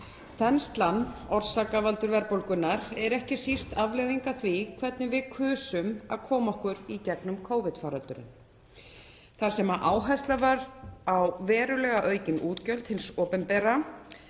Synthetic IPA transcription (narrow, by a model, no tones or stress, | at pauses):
θɛnst̪lanːɔr̥saːkavalt̪ʏɾvɛɾpowlkʏnːaɾɛɾɛhcɪsir̥t̪avleːðiŋkaθvikʰvɛt̪nɪvɪðkʰʏːsʏma̰ðkʰɔːmaɔhkʏɾicɛknʏmkʰoːwvɪt̪faːɾalt̪ʏɾɪ̰n | θaɾ̥sɛmaʔaːwɦajst̪lavaɾawvɛːɾʏlɛːɣaʔœːɥcɪnʔuːt̪cœlt̪hɪnsɔːpɛnpɛːɾa